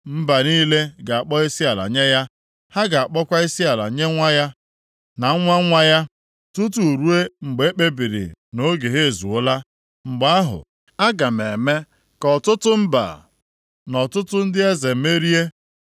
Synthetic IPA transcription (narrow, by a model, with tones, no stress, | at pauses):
m̩˦ba˨niː˦le˦ɡa˨a˨k͡pɔ˦i˦si˦a˨la̰˨ɲe˦ja˦ | ha˦ɡa˨a˨k͡pɔ˦kʷa˦i˦si˦a˨la̰˨ɲe˦ŋʷa˦ja˦ | na˨˦ŋʷa˦ŋʷa˦ja˦ | tu˦t̬u˨ɾu˦e˦ŋ͡m̩˨ɡ͡be˨˦e˦k͡pe˦bi˨ɾḭ˨no˦ɡe˨ɦe˦e˨zu˨ʊ˦la˦ | ŋ͡m̩˨ɡ͡ba˦a˦ɦʊ̰˨ | a˦ɡa˨me˨me˦ | kɔ˨tʊ˦tʊ˦m̩˦ba̰˨ | nɔ˨tʊ˦tʊ˦n̩˦dɪ˦e˦ze˨˦me˦ɾi˦e˦